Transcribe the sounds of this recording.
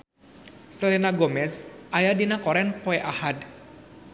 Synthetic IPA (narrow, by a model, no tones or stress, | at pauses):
səlinaɡɔmɛsʔajadinakɔɾɛnpɔɛʔahad